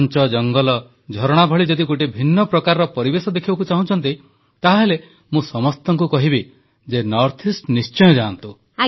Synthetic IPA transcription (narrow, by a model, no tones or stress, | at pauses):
nt͡ʃɔd͡ʒɔŋɡɔlɔ | d͡ʒʱɔɾɔɽ̃abʱɔɭid͡ʒɔd̪iɡoʈ̬ibʱinːɔpɾɔkaɾɔɾɔpɔɾibesɔd̪ekʰibakut͡ʃaɦũt͡ʃʰɔnt̪i | t̪aɦaɦele | mũsɔmɔst̪ɔŋkukɔɦibi | d͡ʒenɔɾt̪ʰisʈnist͡ʃɔjɔd͡ʒant̪u